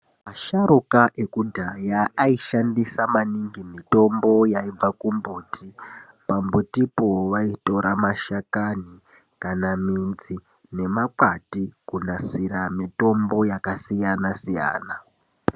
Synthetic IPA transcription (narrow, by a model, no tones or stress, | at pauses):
maʃaɾukaʔe̞kudʱajaːiʃandisamaniŋɡimito̞mbo̞jaib͡vakumbuːtʰi | pambutipoʋaito̞ɾamaʃakani | kanamind͡zi | ne̞makatikunasiɾamito̞mbo̞jakasijanasija̰ːna